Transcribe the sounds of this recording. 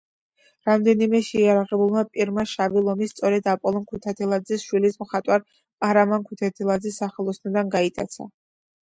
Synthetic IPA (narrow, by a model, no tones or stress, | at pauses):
ɾamd̪ɛnimɛʃɛjaɾaʁɛbulˠmapʼiɾmaʃavilˠɔmist̪sʼɔɾɛd̪apʼɔlˠɔnkʰut̪ʰat̪ʰɛlˠad̪zɛsʃwilismχat̪ʼwaɾʼ | aɾamankʰut̪ʰat̪ʰɛlˠad̪zɛsːaχɛlˠɔsnɔd̪anɡait̪ʼa̰t̪sʰa̰